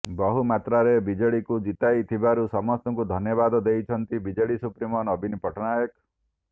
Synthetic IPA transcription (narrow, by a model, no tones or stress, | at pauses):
bɔɦumat̪ɾaɾebid͡ʒɔɭikud͡ʒit̪ajt̪ʰibaɾusɔmɔst̪ɔŋkud̪ʱɔnjɔbad̪ɔd̪ejt͡ʃʰɔnt̪ibid͡ʒɔɭisupɾimɔnɔbʱinipɔʈʰɔnajɔk